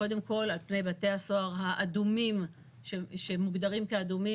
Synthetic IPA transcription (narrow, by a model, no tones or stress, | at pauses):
ko̞de̞mko̞lalpne̞jbate̞haso̞aʁɦaʔadumim | ʃeʃemuɡd̪aʁimkead̪umi